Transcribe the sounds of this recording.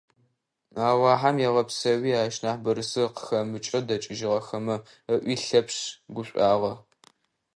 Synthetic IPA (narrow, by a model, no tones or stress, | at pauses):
aːwɑːħamjɛʁɐpsɐwiːaːʃnaːħbɐɾɨsɨqə̥xɐmɨt͡ʃʼɐdɐt͡ʃʼɪʒɪʁɐxɐmɐ | əʔʷiːɬɐpɕɡʷʊɕʷʼaːʁɐ